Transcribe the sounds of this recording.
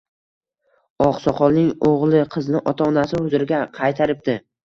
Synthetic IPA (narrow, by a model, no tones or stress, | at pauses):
ɒqsɒqɒlˠnɪŋoʁlˠɪqʰɨznɪʔɒt̪ʰaɒnasɪhʊzɪɾɪɡʲaqʰɑjt̪ʰaɾɪp̚d̪ɪ